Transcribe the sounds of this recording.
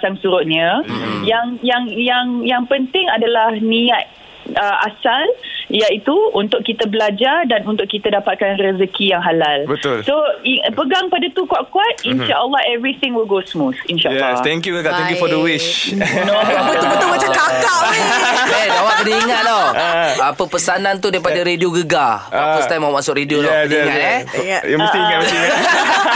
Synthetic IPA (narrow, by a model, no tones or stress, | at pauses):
t͡ʃaŋsuɾʊʔ̪̚ɲə̃jaŋjaŋjaŋjaŋpənt̪ɪŋadalahniat̪̚ | əʔasaljait̪uunt̪ʊkkːit̪əbəlad͡ʒardanunt̪ʊʔkːit̪adapat̪̚kanrəzəkijaŋɦalalbət̪ʊlsoipəɡaŋpadat̪ukuaʔkuat̪̚inʃaʔəlːahɛvɾit̪ɪ̃ŋwilɡosmusinʃaʔjɛlːst̪ɛ̃ŋkjuɡəɡaɛ̃ŋkjufɔdəwɪʃnobbət̪ubət̪ʊlmat͡ʃakakaʔ | ɛd͡ʒawaʔ̚kədiiŋat̪̚dɔapəpəsanãnt̪udaipadaɾedioɡəɡaakɔst̪ajmamasʊkɾediolɔaɛjumsiia